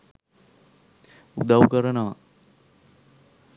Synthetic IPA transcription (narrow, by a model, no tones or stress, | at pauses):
ud̪awukəɾənəʋa̰